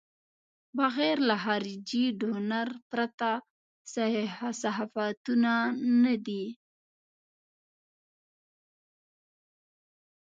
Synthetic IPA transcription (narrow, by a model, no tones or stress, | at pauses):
baɣeɾlaxɑɾd͡ʒiɖonaɾpɾat̪a | saasaɦafat̪unanad̪i